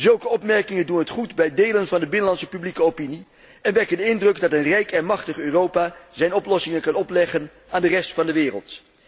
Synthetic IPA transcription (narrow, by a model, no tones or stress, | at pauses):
zɵlˠkəɔpmɛɹkɪŋəndunɦətχudbɛjdejlənvɑndəbɪnəlɑntsəpyblikəowpini | ɛnʋɛkəndəɪndrɵɡdɑtənrɛjkɛnmɑχtəχøːrowpaːzɛjnɔplɔsɪŋənkɑnɔplɛχən | aːndərɛstfɑndəʋɪːrə̰lˠt